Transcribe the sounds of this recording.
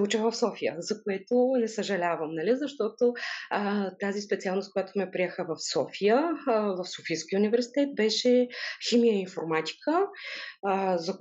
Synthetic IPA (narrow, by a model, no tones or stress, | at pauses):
ut͡ʃəvɐfsɔfijə̰zɐkoɛt̪onɛsəʒɐlʲavəmnɐlizɐʃt̪ɔt̪o | t̪azispɛt̪ialˠnost̪kojat̪omɛpɾiɛxəvɐfsɔfijəvɐfsofijskʲiunivɛɾsi̥t̪ɛt̪̚bɛʃɛximijəinfoɾmat̪ʲi̥kʰə | zɐ